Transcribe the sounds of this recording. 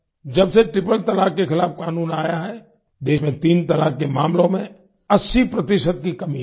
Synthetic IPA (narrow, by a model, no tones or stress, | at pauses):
d͡ʒɐbseʈɾɪpəlt̪ɐlaːkkexɪlaːfkaːnuːnaːjaɦɛ | d̪eːʃmẽt̪iːnt̪ɐlaːkkemaːmlõmẽ | ɐsːipɾɐt̪ɪʃəd̪̚kikɐmi